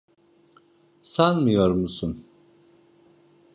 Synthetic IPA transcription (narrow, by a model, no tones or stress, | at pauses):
sanmujoɾmusun